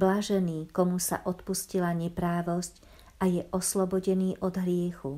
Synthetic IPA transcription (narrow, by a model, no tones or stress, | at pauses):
blaʒɛniːkɔmusa̰ʔɔt̪puscilaɲɛpɾaːʋɔsc | ʔajɛʔɔslɔbɔɟɛniːʔɔd̪ɦɾɪɛxu